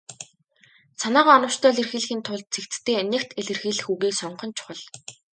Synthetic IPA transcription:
sanaːʁaːɔnə̆w̥t͡ɕt̪ʰœːɮĕrxiːɮxiːnt̪ʰʊɮt̪̚t͡sʰekt͡st̪eːnʲekt̪ʰeɮɘ̆rxiːɮɘ̆xuːɣiːksɔɴɢɞ̆nt͡ɕʰʊ̥χə̆ɮ

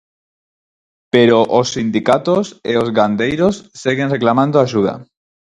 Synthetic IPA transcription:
pe̞ɾoʔosːind̪ikat̪oseo̞zɣand̪ejɾo̞sːeɣe̞nre̞klamãnd̪oaʃuð̞a̰

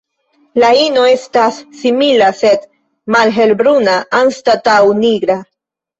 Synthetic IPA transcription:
laino̞e̞stasːimilase̞d̪ | malɦe̞lbɾunaʔanstatawniɡɾa

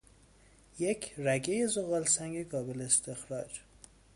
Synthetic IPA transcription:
jekʰɾæɡejezoɣɒːlsæŋɡeɡɒːbeleːst̪exɾɒːd͡ʒ

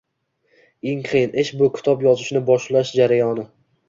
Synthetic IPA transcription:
eŋqʰɨjɪnʔeʃbʊkʲʰɪ̥t̪ʰɒpjɒzɪʃnɪbɒʃlaʃd͡ʒaɾajɒnɪ

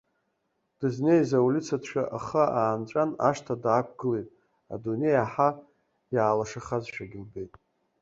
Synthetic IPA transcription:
d̥ɨzne̞jzaulʲit͡sʰatʃʷᶣaʔaχəaːnt͡ʃʷʼanaʂtʰadakʷʰɡɨlejtʼ | a̰dune̞jaħa | jaːlaʂaχazʃᶣaɡʲɪlbe̞jtʼ

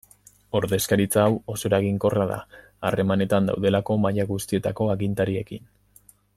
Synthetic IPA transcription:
o̞ɾðe̞skaɾit͡saːwo̞so̞ɾaɣiŋko̞raða̰ | are̞mane̞t̪and̪a̰wðe̞lako̞majaɣust̪ie̞t̪ako̞aɣint̪aɾie̞kḭn

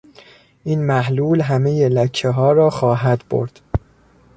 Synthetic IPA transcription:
ʔiːnmæɦluːlɦæme̞jelæcʰːeɦɒːɾɒːxɒːɦæd̪bo̰ɾd̪̥

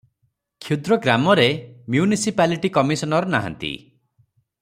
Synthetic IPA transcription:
kʰud̪ɾɔɡɾamɔɾemjunisipaliʈikɔmisɔnɔɾɔnaɦa̰nt̪ḭ

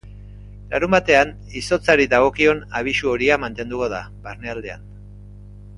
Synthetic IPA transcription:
laɾumbat̪e̞an | iso̞t͡saɾiðaɣ̞o̞kio̞naβ̞isuo̞ɾiamant̪e̞nd̪uko̞ða | baɾneald̪e̞a̰n

